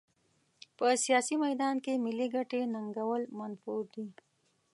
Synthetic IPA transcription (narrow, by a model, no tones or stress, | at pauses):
pəsijɑsimajd̪ɑnkemɪliɡaʈenaŋɡawəlmanfuɾd̪i